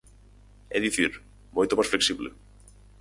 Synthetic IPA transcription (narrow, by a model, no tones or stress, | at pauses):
ɛðiθiɾ | mojt̪opasfleksiβlɪ̰